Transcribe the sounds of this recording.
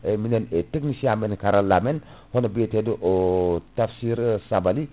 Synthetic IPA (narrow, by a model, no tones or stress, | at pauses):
emineneteknisiamenkaɾalːamen | honabietedoʔotafsiɾsabali